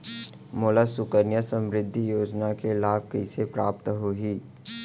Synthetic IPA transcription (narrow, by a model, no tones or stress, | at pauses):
moːlasʊkəɾnjasə̃mɾɪd̪ʱːijoːd͡ʒnakelaːb̚kəɪsepɾaːpt̪ɦoɦiː